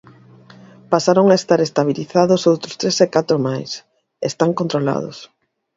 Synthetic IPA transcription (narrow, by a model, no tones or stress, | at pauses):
pasaɾoŋaest̪aɾest̪aβ̞iliθaðʊsowt̪ɾʊst̪ɾesekat̪ɾʊmajs | ḛst̪aŋkont̪ɾola̰ð̞ʊ̰s